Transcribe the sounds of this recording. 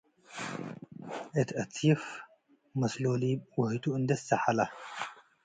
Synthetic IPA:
ʔɨt̪ʰʔɐt̪ʰif | mɐsloliwʊht̪ʰuɨnd̪ɐst̪ɐħala

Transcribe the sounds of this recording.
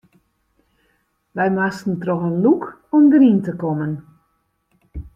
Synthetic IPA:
ʋɛjmastn̩trɔxənluk | ɔmdəɾintəkɔmən

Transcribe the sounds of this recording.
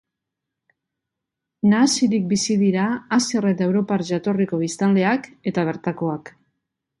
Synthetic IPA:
naːsiɾik̚bisiðiɾaːsieret̪ae̞wɾo̞paɾʒat̪o̞riko̞β̞ist̪anle̞ake̞t̪aβ̞e̞ɾt̪ako̞ak

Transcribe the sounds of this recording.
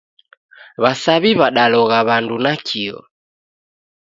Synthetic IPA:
βasaβiβaɗalɔɣaβandunakʰiɔ̰

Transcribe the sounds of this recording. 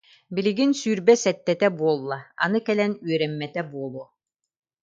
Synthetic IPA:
biliɡinsyːɾbɛsɛt̪ːɛt̪ɛbuɔlˠːaa̰nɯkɛlɛnyœɾɛmːɛt̪ɛbuɔlˠu

